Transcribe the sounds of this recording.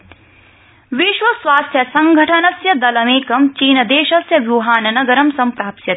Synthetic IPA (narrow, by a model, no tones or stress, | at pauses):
ʋiʃʋɐsʋaːst̪ʰjɐsɐŋɡʱɐʈʰɐnɐsjɐd̪ɐlɐmeːkɐmt͡ʃiːnɐd̪eːʃɐsjɐʋjuɦaːnɐnɐɡɐɾɐmsɐmpɾaːpsjɐt̪